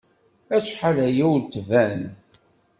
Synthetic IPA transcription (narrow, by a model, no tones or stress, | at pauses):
æt͡sːħalæjæwlt̪væn